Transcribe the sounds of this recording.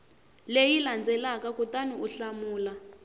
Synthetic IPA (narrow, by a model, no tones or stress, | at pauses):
lejiland͡zɛlakakutaniʔuɬamuːla